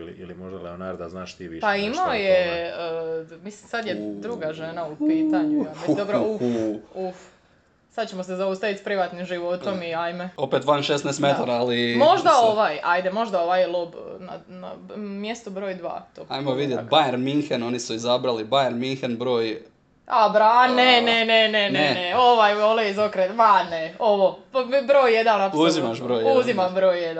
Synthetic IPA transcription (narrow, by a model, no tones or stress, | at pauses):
ilḭilimoʒd̪aleonaɾd̪aznaːʃt̪iʋiʃpaimaoje | mislimsad̪jed̪ɾuɡaʒenaupiːt̪aɲuaed̪obɾouuf | sad̪t͡ɕemosezaust̪aʋit̪spɾiʋat̪nimʒiʋo̞t̪o̞miajmeo̞pet̪ʋanʃesnaest̪met̪aɾaalimo̞ʒd̪aoʋajajd̪emo̞ʒd̪ao̞ʋajlˠobna̰na̰mjest̪ubɾo̞ːjd̪ʋa̰ːt̪oajmoʋid̪jet̪̚bajeɾmiŋxeno̞nisuizabɾalibajeɾmiŋxenbɾo̞ːj | abɾaneneneneneneo̞ʋajoleizokɾet̪ʋaneo̞ʋobɾoːjːed̪annauzimaʃbɾoːjuzimabɾo̞ːjjed̪an